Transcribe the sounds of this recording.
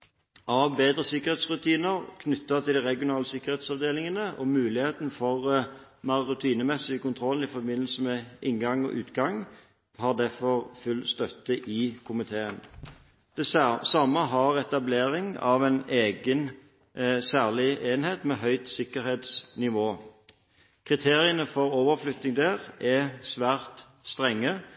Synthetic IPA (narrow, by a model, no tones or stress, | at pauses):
ʔɑʋbeːd̪ʁəsɪkːəʁheːt̪sʁʉt̪ʰiːnəʁkʰnʏt̪ːɑt̪ʰɪld̪iʁɛɡɪʊnɑːləsɪkːəɾheːt̪sɑʋd̪eːlɪŋənəʔɔmʉːlɪheːt̪nfɔʁmɑʁʊt̪ʰiːnəmɛsɪkʊnt̪ʰʁɔlɪfɔbɪnːəl̩səmɛʔɪnɡɑŋɔ̰ʔʉ̰ːt̪ɡɑŋ | hɑːʁd̪æfɔʁfʉlst̪œt̪ːəʔɪkʰʊmɪt̪ʰeːən | d̪̥ɛsɑmːəɦɑʁɛt̪ɑbleːʁɪŋɑʋɛneːɡən | sæːʁlɪʔeːnheːt̪mɛɦœʏt̪sɪkːəʁheːt̪snɪʋoː | kʰʁɪt̪ʰeːʁɪənəfɔʁoːʋəʁflʏt̪nɪŋd̪æːʁɛsʋæːʁt̪ | st̪ʁɛŋːə